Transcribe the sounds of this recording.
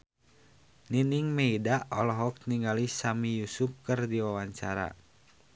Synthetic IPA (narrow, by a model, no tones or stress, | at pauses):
niniŋmɛidaʔɔlɔɦɔk̚niŋɡalisamijusup̚kɨrdiwawaɲt͡ʃaɾa̰